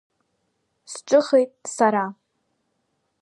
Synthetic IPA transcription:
sʈ͡ʂʼɨχejtʼsaɾa

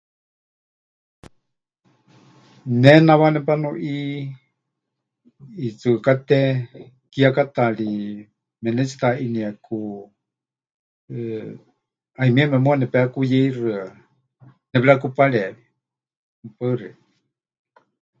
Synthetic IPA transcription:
nɛnaβanɛpanuʔi | it͡sɨkat̪ɛ | kiakat̪aɺi | mɛnɛt͡si̥t̪aʔiniaku | aimiamɛmũanɛpɛakujɛirɨa | nɛpɺakupaɺɛβi | mpəri

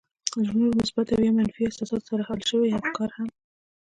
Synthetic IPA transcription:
ʒnuɾmʊsbat̪awjemanfiɪsɑsɑd̪saɾahalʃəwihamkɑɾham

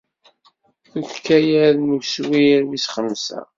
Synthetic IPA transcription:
θuçkːæjæðnuçswiɾwisχəmːsæ̰

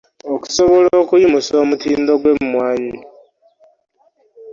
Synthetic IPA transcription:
oku̥soβoloːkujimusoːmutiːndo̞ɡwe̞mmwaːɲi

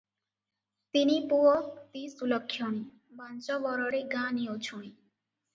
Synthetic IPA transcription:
t̪inipuwɔkt̪isulɔkʰːjɔɽ̃i | bʱãnt͡ʃɔbɔɾɔɽeɡãniot͡ʃʰuɽ̃ĩ

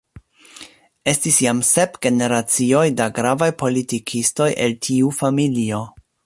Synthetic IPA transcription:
e̞stisjamse̞pɡ̥e̞ne̞ɾat͡sio̞jdaɡɾavajpo̞litikʰisto̞je̞̰ltʰiufamilio̞

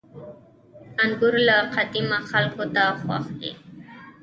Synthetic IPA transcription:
aŋɡʊɾlaqɑd̪ɪmaxɑlkʊt̪aχwɑ̰χt̪ɪ̰

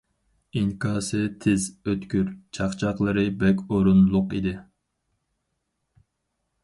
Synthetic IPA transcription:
iŋkʰɑːsɨt̪ʰɪzøt̪kʲyɾt͡ʃʰɑχt͡ʃʰɑqlˠəɾɨbɛkʲoɾunlˠʊqid̪ɪ

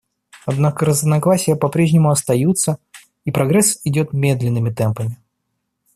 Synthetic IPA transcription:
ɐd̪nakəɾəznɐɡlˠasʲɪjəpɐpɾʲeʐnʲɪmʊɐst̪ɐjut̪sə | ipɾɐɡɾɛsɪdʲo̞t̪mʲe̞d̪lʲɪnːɨmʲɪt̪ɛmpəmʲɪ

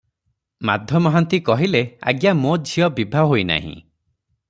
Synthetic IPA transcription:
mad̪ʱjɔmɔɦant̪ikɔɦilea̰ɡjamod͡ʒʱijɔbibʱaɦojna̰ɦḭ̃

